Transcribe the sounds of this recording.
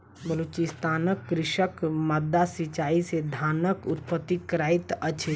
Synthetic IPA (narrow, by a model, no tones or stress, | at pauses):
bəlut͡ʃɪst̪aːnəkːɾɪʃəkməd̪ːasit͡ʃaːised̪ʱaːnəkʊt̪̚pət̪ːikɾaːit̪ət͡ʃʰe